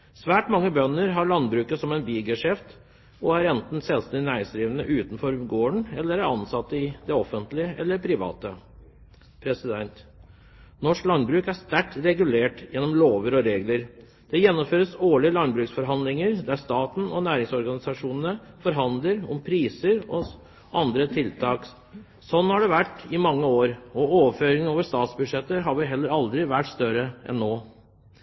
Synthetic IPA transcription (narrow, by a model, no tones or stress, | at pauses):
sʋæːʈmɑŋːəbœnːəɾɦɑɭɑnbɾʉːkəsɔmɛɪnbiːɡɛʂɛft̪ | ɔæɾɛnt̪n̩sɛlst̪ɛɪnæɪɪŋsd̪ɾiːʋənəʔʉːt̪n̩fɔɾɡoːəɳɛlːəɾæɾɑnsɑt̪ːəɪd̪ɛɔfənt̪lɪəʔɛlːəpʰɾɪʋɑ̰ːt̪ə | pʰɾɛsɪd̪ɛnt̪ | nɔʂklɑnbɾʉːkæst̪æʈɾɛɡʉleːʈjɛnːɔmloːʋəɾɔɾeːɡləɾ | d̪̥ɛjɛnːɔmføːɾəsoːɭɪəlɑnbɾʉːksfɔɾɦɑnd̪lɪŋəɾd̪æst̪ɑːt̪n̩ɔnæːɾɪŋsɔɾɡɑnɪsɑʂuːnənə | fɔɾɦɑnd̪ləɾɔ̰mpʰɾiːsəɾɔ | ʔɑnd̪ɾət̪ʰɪlt̪ʰɑːk | sɔnːhɑɖɛʋæʈːɪmɑŋːəoːɾɔoːʋəføːɾɪŋəoːʋəʂt̪ɑːt̪sbʉd̪ʂɛt̪ːəɦɑʋɪɦɛlːəɾɑld̪ɾɪʋæʈːst̪œɾəʔɛ̰nːoː